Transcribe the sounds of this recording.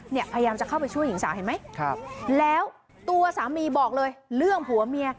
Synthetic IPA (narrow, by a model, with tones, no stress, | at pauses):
ni˥˩əpʰa˧ja˧jaː˧mt͡ɕa˨˩kʰa˥˩wpa˧jt͡ɕʰu˥˩əjːi˩˦ŋsaː˩˦ɦa˧˩jma˦˥jkʰa˧lɛː˦˥w | t̪u˧ɐsaː˩˦miː˧bɔː˨˩k̚lɤː˧jlɯ˥˩əŋpʰu˨˩˦ɐmi˧əɐ